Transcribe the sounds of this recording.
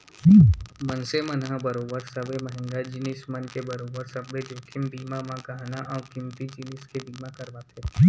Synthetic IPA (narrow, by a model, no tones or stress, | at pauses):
mənsemənɦãbɐɾoːbəɾsɐbeməɦɪ̃ŋɡad͡ʒɪnɪsmənkebɐɾoːbəɾsɐbːed͡ʒoːkʰɪmbiːmamãkɐɦanaʔaʊkɪmt̪id͡ʒɪnɪskebiːmakɐɾbat̪ʰe